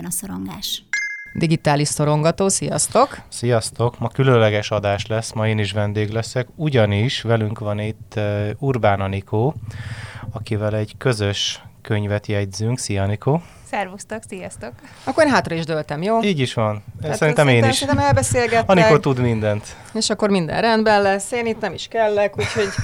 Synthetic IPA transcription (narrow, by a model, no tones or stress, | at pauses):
nsoɾoŋɡaːʃd̪iɡit̪aːliʃso̞ɾo̞ŋɡɒt̪oːsijɒst̪o̞ksijɒst̪o̞kmɒkylønlɛɡɛʃɒd̪aːʃlɛsːmɒeːniʃ̬ʋɛnd̪eːɡlɛsɛkuɟɒniʃʋɛlyŋkʋɒnit̪ːurbaːnɒnikʰoː | ɒkivɛlɛɟkø̞zøʃkøɲvɛt̪jɛɟzyŋksijɒnikoː | sɛrvust̪oksijɒst̪ok | ɒkːoreːnɦaːt̪rɒiʒd̪ølt̪ɛmjoːliːɟiʃʋɒnsɛɾint̪ɛmeːnisʃint̪ːmɛlbɛseːlɡɛt̪ɒnikot̪ud̪mind̪ɛnt̪ | eːʃɒkːo̞rmind̪ɛ̰nrɛnd̪bɛnlɛsːeːnit̪nɛmiʃkɛlːɛkuːcho̞ɟ